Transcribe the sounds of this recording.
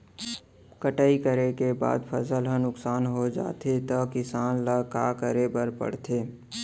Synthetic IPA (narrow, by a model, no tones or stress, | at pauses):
kəʈaːikəɾekeba̰ːd̪pʰəsəlɦə̃nʊksaːnɦod͡ʒa̰ːt̪ʰet̪əkɪsaːnləkaːkəɾebəɾpə̰ɽ̤t̪ʰeː